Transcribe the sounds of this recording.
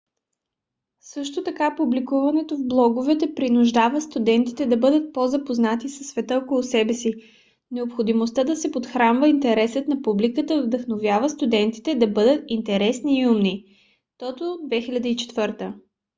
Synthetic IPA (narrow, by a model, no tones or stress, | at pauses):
sɤʃt̪ot̪ɐkapublikuvɐnɛt̪ovblˠɔɡʊvɛt̪ɛpɾinʊʒd̪avəst̪ʊd̪ɛnt̪i̥t̪ɛd̪ɐbɤd̪ət̪̚pɔzɐpoznat̪isəsːvɛt̪əɔkolˠosɛbɛsi | nɛopxod̪imost̪əd̪ɐsɛpot̪xɾanvəint̪ɛɾɛsət̪nɐpublikət̪əvd̪əxnovjavəst̪ʊd̪ɛnt̪i̥t̪ɛd̪ɐbɤd̪ət̪int̪ɛɾɛsniːumni | t̪ɔt̪od̪vɛxilʲɐd̪əit͡ʃɛ̥t̪vɤɾt̪ə